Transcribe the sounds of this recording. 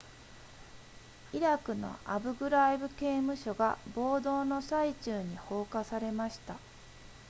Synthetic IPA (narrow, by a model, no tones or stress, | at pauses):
iɾakɯ̟no̞̰a̰bɯ̟ɡɯ̟ɾaibɯ̟ke̞ːmɯ̟ɕo̞ɡa̰bo̞ːd̪o̞ːno̞sait͡ɕɨːɲ̟iho̞ːkasaɾe̞maɕi̥t̪a